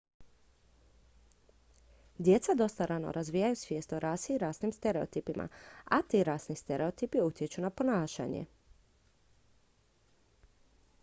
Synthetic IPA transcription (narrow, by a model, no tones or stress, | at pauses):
d̪je̞t̪sad̪o̞st̪aɾʔano̰ɾazʋiːjajusʋjeːst̪oɾaːsiɾaːsnimst̪eɾe̞ot̪ipimʔa̰at̪iɾaːsnist̪eɾeo̞t̪ipiut̪jet͡ɕunapo̞naːʃa̰ɲḛ